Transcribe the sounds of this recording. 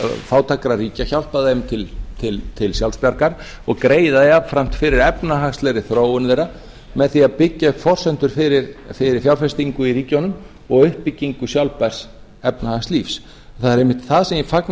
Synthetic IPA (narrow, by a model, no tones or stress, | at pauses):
faːwt̪ʰakɾariːcaçawl̥paðemt̪ʰɪlt̪ʰɪlt̪ʰɪlsjawlspjaɾkaɾ̥ | ɔɣkɾeːjðaðɛavfɾam̥t̪fɪɾɪɾɛpnaɦakst̪lɛɾɪθɾoːwʏnvejɾa | mɛðθiaðpɪcːafɔr̥sɛnt̪ʏɾ̥fɪɾɪɾfɪɾɪɾ̥fjawɾfɛst̪iŋkʏiriːcownʏm | ɔɣʏhpːɪcːiŋkʏsjawlpaɾ̥s | ɛpnahakst̪liːfs | θaðɛɾejmːɪht̪θaðsɛmjɛfakn